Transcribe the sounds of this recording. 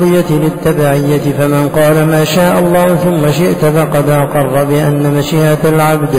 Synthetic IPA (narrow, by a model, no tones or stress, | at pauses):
d̪ˤɨjːat̪lɪt̪ːabaːʕɪjːat̪ɪfamanqɑːlamaːʃaːʔɑlˤːɑːhʊθʊmːaʃɪʔt̪ʊfɑqɑd̪ʔɑqɑrˤːɑbɪʔanːamaʃiːʔaalʕabd̪